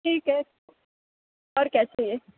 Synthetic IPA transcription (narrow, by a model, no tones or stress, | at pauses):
ʈʰiːkɦɛ | ɔːɾkɛːseie